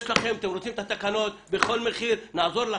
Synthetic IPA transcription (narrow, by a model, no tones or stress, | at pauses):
ʃlaχe̞mat̪emɾot͡simt̪at̪akano̞t̪̚beχo̞lmeχiɾnaːzo̞ɾla